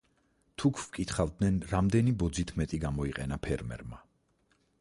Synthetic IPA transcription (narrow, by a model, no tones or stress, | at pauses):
t̪ʰukʰvkʼit̪ʰχavd̪nɛnɾamd̪ɛnibɔd̪zit̪ʰmɛt̪ʼiɡamɔiqʼɛnapʰɛɾmɛ̰ɾma